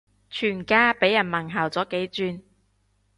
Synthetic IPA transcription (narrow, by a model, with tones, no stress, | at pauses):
t͡ʃʰyː˨˩nkaː˥pe˨˥jːɐ˨˩nmɐ˨˩ŋɦaː˨˩wt͡sɔː˨˥ke˨˥jt͡syː˧n